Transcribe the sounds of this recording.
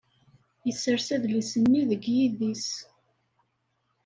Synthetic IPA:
jəsːəɾsæðlisənːiðəɡjiðis

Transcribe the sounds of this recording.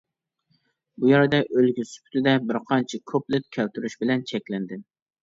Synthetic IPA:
bujɛɾd̪ɛʔølɡʲysy̥pʰy̥t̪ʰɪd̪ɛbɪɾqʰɑnt͡ʃʰɪkʲʰøplɪt̪̚kʲʰælt̪ʰyɾyʃbɪlɛnt͡ʃʰɛkʲlɛnd̪ɪ

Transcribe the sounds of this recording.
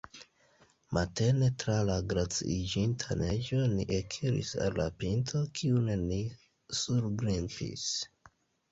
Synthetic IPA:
mʔalte̞ne̞tɾalaɡɾat͡sḭid͡ʒintʰanʔed͡ʒo̞niʔekʰiɾḭsa̰llapintʰo̞kʰiuneni | suɾɡɾintḭs

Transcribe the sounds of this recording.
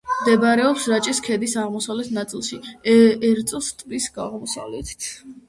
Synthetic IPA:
md̪ɛbaɾɛɔpsɾat͡ʃʼiskʰɛd̪isaʁmɔsavlɛt̪ʰnat̪sʼilˠʃiɛɾt̪sʼɔst̪ʼpʼisɡaʁmɔsa̰vlɛt̪ʰt̪ʰ

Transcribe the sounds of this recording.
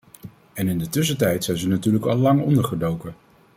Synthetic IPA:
ɛnɪndətɵs̬ətɛjtsɛjnzənatyːɹləkɑlˠlːɑŋɔ̰ndəɹχədowkə

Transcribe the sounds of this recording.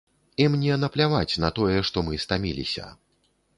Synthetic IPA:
imnʲɛnɐplʲavat͡sʲnɐt̪ɔjɛʂt̪ɔmɨst̪amʲilʲḭsʲɐ̰

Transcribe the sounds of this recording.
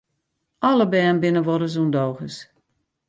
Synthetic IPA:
ʔɔləbɛːnbɪnəʋɔɾəzundoːɣəs

